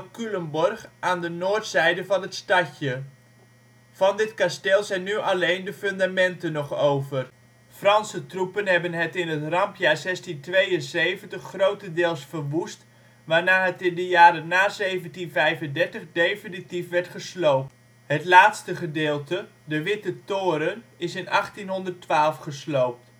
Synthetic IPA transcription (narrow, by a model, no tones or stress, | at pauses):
kyləmbɔrχaːndənoːɹtsɛjdəvɑnɦətstɑcə | vɑndɪtkasteːlˠzɛjnyʔɑlejndəfʏndamɛntənɔχowvər | frɑnsətrupənɦɛbənɦɛtɪnɦətrɑmpjaːɹzɛstintʋejənsejvəntəχːrowtədɪːlˠsfərʋust | ʋaːɹnaːɦətɪndəjaːɾənaːzejvəntinvɛjvəndɛɹtəχdejfɪnitifʋɛɹtχəslowp | ɦətlaːtstəχədɪːlˠtədəʋɪtətoːɾənɪsɪnɑχtinɦɔndərtʋaːlˠfχəslowp̚t